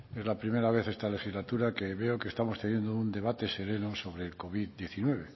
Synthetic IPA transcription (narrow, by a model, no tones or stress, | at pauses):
e̞zlapɾime̞ɾaβeθe̞st̪ale̞xizlat̪uɾakeβe̞okeːst̪amo̞st̪enje̞nd̪ound̪e̞β̞at̪e̞se̞ɾe̞noso̞βɾeːlko̞βiðd̪je̞θinwe̞β̞e